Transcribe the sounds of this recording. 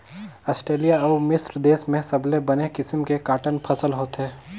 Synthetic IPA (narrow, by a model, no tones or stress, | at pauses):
ɐːsʈɾeːlijaɔːmɪsɾd̪eːsmẽsɐblebɐnekɪsmkekaːʈənpʰɐsəlɦoːt̪ɦɛː